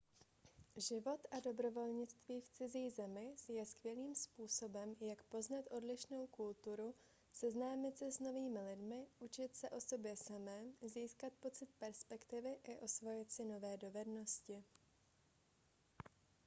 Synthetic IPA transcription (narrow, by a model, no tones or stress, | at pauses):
ʒɪvo̞t̪ʔado̞bɾo̞vo̞lɲɪt͡st̪viːft͡sɪziːzɛmɪjɛskvjɛliːmspuːso̞bɛmjakpo̞znat̪ʔo̞dlɪʃno̞wkult̪uɾu | sɛznaːmɪt̪sɛsno̞viːmɪlɪdmɪʔut͡ʃɪt̪sɛʔo̞so̞bjɛsamɛːziːskat̪̚po̞t͡sɪt̪̚pɛɾspɛkt̪ɪvɪʔɪʔo̞svo̞jɪt̪sɪno̞vɛːdo̞vɛdno̞scɪ